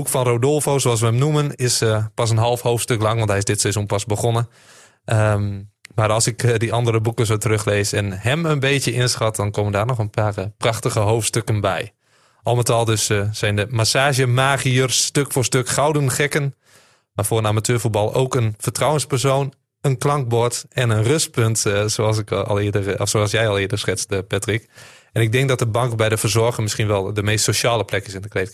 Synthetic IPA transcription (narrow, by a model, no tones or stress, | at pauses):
bukfɔnroːdɔlˠfowsoːals̬ʋəəmnumənɪspɑs̬ənɦɑlˠfhoːftstøklɑŋʋɔntɦɛjɪsdɪtsɛzunpasbəxonə | ə | maɾɑlˠsɪkdiɑndərəbukəsoːtərøxleːsɛnhɛmənbeːtjəʔɪnsxɔt̚dɔnkʰoməndaːrnɔxənpʰaːrəpraxtəɣəɦowftstøkənbɛ̰j | ʔɔlˠmətɔlˠdøssɛjndəmasaːʒjəmaːɣiərstøkfoːrstøkxawdənxɛkən | mafʊːrənamatʰøːɹfut̚bɑlˠo̰ːkənfərtrawənspərsoːn | ənklɑŋk̚bɔɹtɛnənrøst̚pøntsosɪklˠɪdəɔfsoalˠsjɛjɔlˠɪːədəsxɪt͡səpɛtrikɛnɪɡ̚dɪŋk̚dɔt̚dəbɑŋkbɛjdəfərzɔɹɣəŋmɪsxinʋɛlˠdəmejstsoʃaːləplɛkɪsɪndəklejt